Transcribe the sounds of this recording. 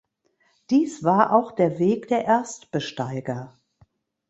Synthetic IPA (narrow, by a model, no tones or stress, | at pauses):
d̥iːsv̥aːɐʔaʊxd̥eːɐveːkd̥eːɐʔɛɐstb̥əʃtaɪɡɐ